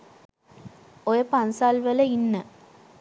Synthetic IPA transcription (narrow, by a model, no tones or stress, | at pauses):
ojəpansaːlʋələinːə